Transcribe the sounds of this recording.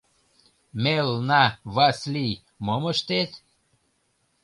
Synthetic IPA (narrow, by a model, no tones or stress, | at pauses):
melnavaslʲi | moməʃt̪et̪